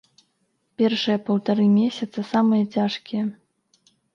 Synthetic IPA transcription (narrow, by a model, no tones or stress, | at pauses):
pʲɛrʂɨjɐpɐwt̪aɾɨmʲesʲɐt̪sɐsamɨjɐt͡sʲaʂkʲijɐ